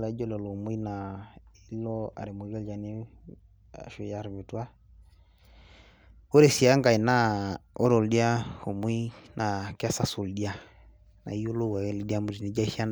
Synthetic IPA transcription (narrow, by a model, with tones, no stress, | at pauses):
la˨˦d͡ʒɔ˦lɔ˨lo˨mwi˦na˨i˦lɔ˦a̰˨ɾe˨mo˨˦ɡɛ˦ld͡ʒa˨ni˦ | a̰˨ʃo˨ja˨ɾβe˨twa˦ | o˦ɾe˨si˨a˦ŋɡa˨i˨na˦ɔ˦ɾɔ˨ldi˦a˦ho˨mwi˦nʔa˨ka˦sa˨su˨ldi˦a˦ | na̰˨i˦o˦lo˦wa˨˦li˦di˦a˦mu˨ɾi˨ni˨˦d͡ʒa˦i˦ʃa˦n